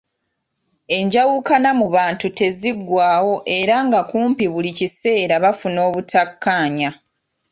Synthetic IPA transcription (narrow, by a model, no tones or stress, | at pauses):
e̞ɲɟawukanamuβaːntute̞ziɡwaːwo̞ʔe̞ɾaŋɡakuːmpiβulicise̞ːɾaβafuno̞ːβutakːaːɲa